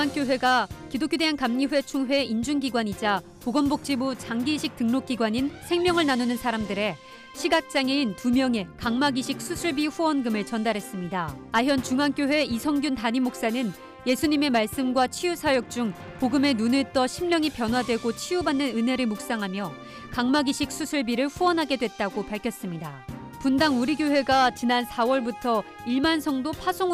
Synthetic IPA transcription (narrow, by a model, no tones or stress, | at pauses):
uŋank͈joɦwe̞ɡakidokʰjode̞ɦankamɲiɸwe̞t͡ɕʰuŋɸwe̞ind͡ʑunɡiɡwaɲid͡ʑa | poɡʌnbok̚t͡ɕ͈imut͡ɕaŋɡiɕʰik̚tɯŋnok͈̚iɡwaɲinsʰe̞ŋmjʌŋɯɭnanonɯnsʰaɾamdɯɾe̞ | ɕʰiɡak̚t͡ɕ͈aŋeintumjʌŋe̞kaŋmaɡiɕʰik̚s͈ʰusʰuɭbiɸuʌnɡɯmɯɭt͡ɕʌndaɾɦe̞s͈ɯmɲidaaɦjʌnt͡ɕuŋank͈joɸwe̞isʰʌŋɡjuntaɲimok̚s͈anɯn | je̞sʰuɲime̞maɭs͈ɯmɡwat͡ɕʰijusʰajok̚t͡ɕ͈uŋ | poɡɯme̞nunɯɭt͈ʌɕʰimɲʌŋipjʌnɦwadwe̞ɡot͡ɕʰijubanːɯnɯne̞ɾɯɭmuk̚s͈aŋɦamjʌ | kaŋmaɡiɕʰik̚s͈ʰusʰuɭbiɾɯɭɸuʌnɦaɡe̞dwe̞t̚t͈aɡopaɭkʰjʌs͈ɯmɲida | pundaŋuɾiɡjoɦe̞ɡat͡ɕinansʰawʌɭbutʰʌ | iɭmansʰʌŋdopʰasʰoŋ